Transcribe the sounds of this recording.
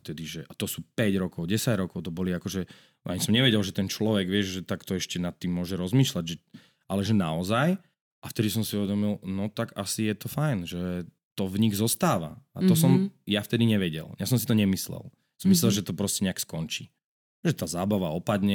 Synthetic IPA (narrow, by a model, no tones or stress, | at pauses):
ft̪ɛd̪iʒɛʔat̪ɔsuːpɛɟɾɔkɔʊɟɛsaɟɾɔkɔʊt̪ɔbɔliakɔʒɛ | ʔa̰ɲisɔmɲɛʋɛɟɛlʒɛt̪ɛnt͡ʃlɔʋɛɡʋɪɛʒʒɛt̪akt̪ɔɛʃcɛnat̪ːimːʊɔʒɛɾɔzmiːʃlaɟʒɛ | ʔalɛʒɛnaɔzaj | ʔaft̪ɛd̪isɔmsiuʋɛd̪ɔmilnɔt̪aɡasijɛt̪ɔfajnʒɛ | t̪ɔvɲiɣzɔst̪aːʋa̰at̪ɔsɔmjaft̪ɛd̪iɲɛʋɛɟɛ̰ljasɔmsit̪ɔɲɛmislɛ̰l | sɔmislɛlʒɛt̪ɔpɾɔscɛɲɛakskɔnt͡ʃiː | ʒɛt̪aːzaːbaʋaɔpad̪ɲɛ